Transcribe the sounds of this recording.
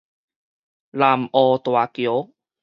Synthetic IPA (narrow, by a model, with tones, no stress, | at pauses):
la˨mʔɔ˧t̪wa˧˨kjo˨˦